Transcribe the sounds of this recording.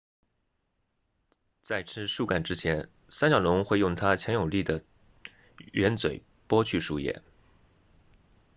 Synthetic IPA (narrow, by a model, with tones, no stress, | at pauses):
t͡sa˥˩ɪʈ͡ʂʰɻ̩˥ʂu˥˩ka˨˩nʈ͡ʂɻ̩˥t͡ɕʰjɛ˧˥n | sa˥nɕjɑ˨˩lʊ˧˥ŋxwe˥˧ɪjʊ˥˩ŋt̪ʰa˥t͡ɕʰjɛ˧˥njo˨˩ʊli˥˩d̪ə˩ | ɥɛ˧˥nt͡swe˨˩ɪ | pwɔ˥t͡ɕʰy˥˧ʂu˥˧jɛ̰˥˩